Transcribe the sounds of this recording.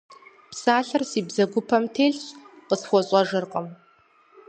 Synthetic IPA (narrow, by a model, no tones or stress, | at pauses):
psaːɬɐrsiːbzɐɡʷʊpʰɐmtʰeːɮɕqəsxʷɔɕʼɐʐɨrqʼɐm